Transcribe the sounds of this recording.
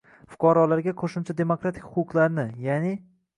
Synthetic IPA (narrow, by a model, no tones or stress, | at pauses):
fʊ̥qʰɑɾɒlaɾɡʲaqʰoʃʊmt͡ʃʰad̪e̞mokɾat̪ʰɪ̥kʲhʊqʊqlˠaɾnɪjanɪ